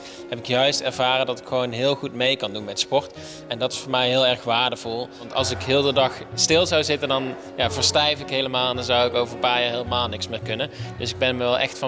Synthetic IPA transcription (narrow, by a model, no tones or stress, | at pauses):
ɦɛpɪkjœɥstɛɹvaːrəndɑtɪ̥kxəʋownɦɪːlˠxutmejkɑndunmɛtspɔɹt | ɛndɑtɪ̥sfʊːɹmɛjɦɪːlˠɛɹxʋaːɹdəv̥ulˠɑntɑ̰lˠsɪkɦɪːlˠdədɑxstɪlˠzɑwzɪtəndɑn | jaːvəɹstɛjfɪkɦejləmaːlˠɛndɑnzɑwɪkoːwvərənpaːɹjaːɹɦeːləmaːlˠnɪksmɪːɹkɵnənd̥ɵsɪɡ̚bɛnməʋɛlˠʔɛ̰xtfɑ